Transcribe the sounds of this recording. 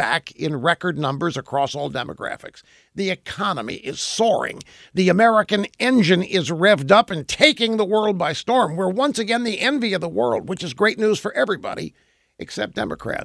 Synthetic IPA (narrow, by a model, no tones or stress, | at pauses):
æ̰kʰɪ̃nɹɛkə˞dⁿnʌ̃mbə˞zɨkʰɹ̥ɔsɔlˠdɛ̰mə̰ɡ̥ɹæ̰fɨ̰ks | ðiɨkʰɑnəmḭʔɪz̥sɔɹɪ̰̃ŋ | ðiɨmɛɹɨkɨ̃nɛ̃nd͡ʒɨ̃nɪzɹɛvdʌpɨ̃ntʰeɪkɪ̃ŋðəwɜ˞lˠd̚baɪstɔɹmwəɹwʌ̃nsɨɡɛ̃nðiʔɛ̃nviʌvðəwɜ̰˞lˠd̚wət͡ʃɨzɡɹeɪtⁿnuz̥fə˞ʔɛvɹibɑ̰ɾḭ | ʔɨksɛp̚d̥ɛ̰mɨ̰kʰɹ̥æ̰t